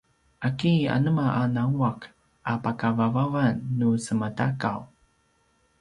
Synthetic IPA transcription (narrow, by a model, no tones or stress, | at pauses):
ʔakia̰nəmaʔanawak | ʔapakavavavanːusəmətakaw